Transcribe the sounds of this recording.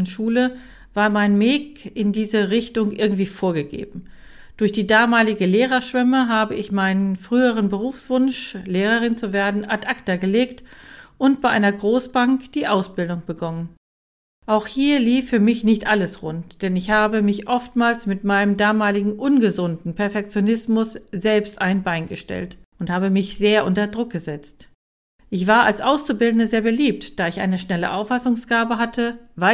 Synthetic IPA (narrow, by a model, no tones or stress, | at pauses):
ʃuːlə | vaːɐmaɪnmeːkɪndiːzəʁɪçtʊŋʔɪɐɡŋ̩tv̥iːfoːɐɡəɡḛːbm̩ | d̥ʊɐçd̥iːdaːmaːlɪɡəleːʁɐʃv̥ɛməɦaːbəʔɪçmaɪnənfʁ̥yːəʁ̞ənbəʁuːfsv̥ʊnʃleːʁ̞əʁ̞ɪnt͡suveːɐdn̩atʔaktɐɡəleːktʔʊntb̥aɪʔaɪnɐɡʁoːsb̥aŋkd̥iːʔaʊsb̥ɪldʊŋb̥əɡɔnən | ʔaʊxhiːɐliːfːyːɐmɪçnɪçtʔaləsʁʊntd̥ɛnɪçhaːbəmɪçʔɔftmaːlsmɪtmaɪnəmdaːmaːlɪɡŋ̩ʔʊnɡəzʊntn̩pʰɛɐfɛk̚t͡sjonɪsmʊsz̥ɛlpstʔaɪnbaɪnɡəʃtɛ̰ltʔʊnthaːbəmɪçz̥eːɐʔʊntɐdʁʊk̚ɡ̥əzɛt͡st | ʔɪçv̥aːɐalsʔaʊst͡subɪldn̩əzeːɐbəliːp̚td̥aːɪçʔa̰ɪnəʃnɛləʔaʊfasʊŋsɡ̥aːbəɦatʰəva